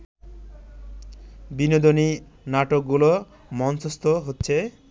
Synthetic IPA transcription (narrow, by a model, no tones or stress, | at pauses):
binod̪oninaʈok̚ɡulo | mɔnsost̪oɦotːɕʰe